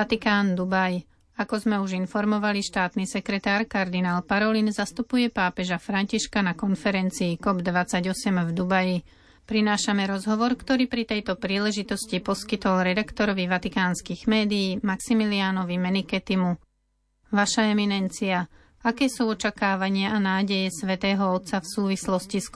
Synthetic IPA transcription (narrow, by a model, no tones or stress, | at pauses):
at̪ikaːnd̪ubaj | akɔzmɛuʒinfɔɾmɔʋaliʃt̪aːt̪nisɛkɾɛt̪aːɾkaɾd̪inaːlpaɾɔlinzast̪upujɛpaːpɛʒafɾaɲciʃkanakɔnfɛɾɛnt͡siːkɔbd̪ʋat͡saɟɔsɛmvd̪ubaji | pɾinaːʃamɛɾɔzɦɔʋɔɾkt̪ɔɾiːpɾit̪ɛjt̪ɔpɾiːlɛʒit̪ɔscipɔskit̪ɔlɾɛd̪akt̪ɔɾɔʋiʋat̪ikaːnskiːɣmɛːd̪iːmaksimilianɔʋimɛnikɛt̪imu | ʋaʃaɛminɛnt͡sia | akɛːsuːɔt͡ʃakaːʋaɲɪaanaːɟɛjɛsʋɛt̪ɛːɦɔɔt̪safsuːʋislɔscis